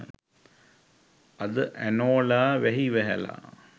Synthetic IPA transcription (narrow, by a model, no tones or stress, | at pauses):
ɐd̪əʔænoːlaːʋæɦiʋæɦɛ̰la̰